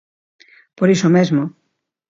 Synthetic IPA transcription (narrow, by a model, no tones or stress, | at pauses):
poɾisomezmo